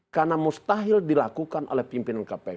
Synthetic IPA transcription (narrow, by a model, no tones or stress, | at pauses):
karnamust̪aɦildilakukanʔo̰lɛhpimpinankapɛ